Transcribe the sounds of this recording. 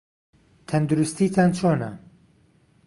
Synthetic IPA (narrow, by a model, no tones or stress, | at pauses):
t̪ʰɐnd̪uɾust̪it̪ʰaːnt͡ʃʰoːnɐ̰